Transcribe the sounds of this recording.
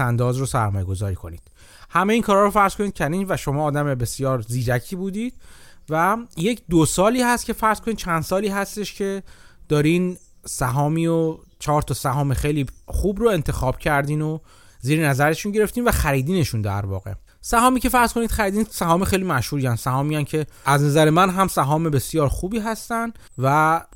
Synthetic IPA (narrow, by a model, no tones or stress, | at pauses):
ænd̪ɒːzɾosæɾmɒːje̞ɡo̞zɒ̰ːɾiːkʰo̞nḭːd̪̥ | hæmeiːŋkʰɒːɾɒːɾofæɾz̥kʰo̞niːd̪cʰæniːnvæʃo̞mɒːd̪æmebe̞sjɒːɾziːd͡ʒæcʰiːbuːd̪iːd̪̥̚væje̞cʰd̪osɒːliːhæst̪cʰʲe̞fæɾz̥kʰo̞niːd̪̚t͡ʃʰænd̪̥sɒːliːɦæst̪e̞ʃcʰed̪̥ɒːɾin | sæɦɒːmiːot͡ʃʰɒːɾt̪ʰɒːsæɦɒːmexejliːχuːbɾoe̞nt̪ʰe̞xɒːb̥cʰæɾd̪iːno | ziːɾenæzæɾeʃunɟe̞ɾe̞ft̪iːnvæxæɾiːd̪iːne̞ʃund̪æ̰ɾvɒ̰ːɣe̞̰ | sæɦɒːmiːce̞fæɾz̥kʰo̞niːd̪̥xæɾiːd̪iːnsæɦɒːmexe̞jlimæʃhuːɾiːænsæɦɒːmiːæncʰe̞æznæzæɾemænɦæmsæɦɒːme̞be̞sjɒːɾxuːbiːɦæst̪ænd̪ | væ